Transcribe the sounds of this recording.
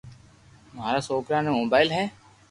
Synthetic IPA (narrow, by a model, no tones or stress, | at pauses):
mɦaːɾaːsoːkɾaːnemoːbaːɪlɦɛː